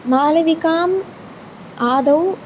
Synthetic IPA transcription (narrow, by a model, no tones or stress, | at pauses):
maːlɐʋikaːm | aːd̪ɐw